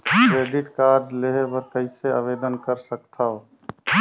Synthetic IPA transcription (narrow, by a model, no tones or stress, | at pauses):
kɾeɖiʈkaɾd͡ʒleɦebəɾkəɪseaʋed̪ənkəɾsəkt̪ʰaw